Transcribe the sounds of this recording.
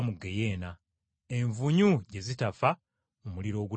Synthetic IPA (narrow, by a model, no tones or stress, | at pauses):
muɡe̞je̞ːna | eɱvuɲuɟe̞zitafa | umuliɾo̞ːɡu